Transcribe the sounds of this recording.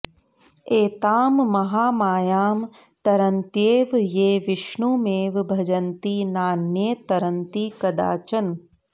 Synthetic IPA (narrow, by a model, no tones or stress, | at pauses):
eːt̪aːmmɐɦaːmaːjaːm | t̪ɐɾɐnt̪jeːʋjeːʋɪʃɳumeːʋbʱɐd͡ʒɐnt̪inaːnjet̪ɐɾɐnt̪ikɐd̪a̰ːt͡ʃɐn